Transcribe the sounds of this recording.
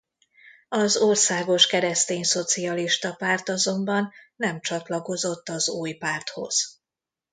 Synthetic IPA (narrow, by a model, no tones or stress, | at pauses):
ɒzoːrsaːɡo̞ʃkɛɾɛst̪eːnso̞t̪sijɒliʃt̪ɒpaːrt̪ɒzo̞mbɒnːɛmt͡ʃɒt̪lɒko̞zo̞t̪ːɒzuːjpaːrt̪ho̞̰z̥